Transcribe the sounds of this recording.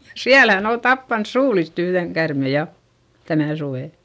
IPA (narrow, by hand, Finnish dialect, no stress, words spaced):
siælæ hæn ol tɑpːɑns suːlist yhðeŋ kærme jɑ tænæˑ suʋeˑ